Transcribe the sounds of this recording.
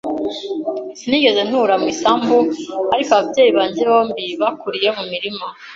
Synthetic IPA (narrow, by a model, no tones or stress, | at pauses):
siniːɡe̞ze̞n̥huɾamwiːsaːmbuaɾikoaβabɟe̞ːjiβaːɲɟeβo̞ːmbiβakuɾije̞mumiɾima